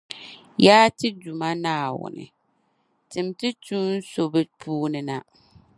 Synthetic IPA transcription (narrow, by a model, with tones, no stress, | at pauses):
jaː˦tɨ˦du˨ma˦naː˦˨wʊ̰˨nɨ̰˨ | tɨ˨mtɨ˦tuː˦n̩˦so˨bɨ˦pʰuː˦nɨ˨na˨